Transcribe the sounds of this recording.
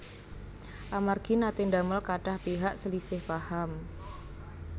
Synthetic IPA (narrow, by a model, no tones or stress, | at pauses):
ʔamarɡ̥inat̪ɪndaməlkaɖ̥ahpiɦaʔsəlisɪhfaham